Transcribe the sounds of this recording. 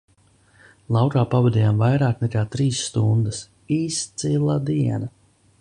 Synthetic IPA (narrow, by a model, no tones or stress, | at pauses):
lˠawkaːpavɛd̪iːjamvajɾaːknɛkaːt̪ɾiːsːt̪und̪əs | iːst̪silˠad̪iɛna